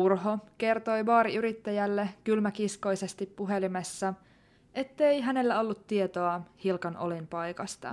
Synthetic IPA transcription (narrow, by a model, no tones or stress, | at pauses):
urɦo̞ke̞rt̪o̞jʋɑːɾiyɾit̪ːæjælːekylmækisko̞jse̞st̪ipːuɦe̞limesːɑ | ʔe̞t̪ːe̞jɦæne̞lːæo̞lːut̪ːie̞t̪o̞ɑhilkɑnʔo̞̰linpɑjkɑst̪ɑ̰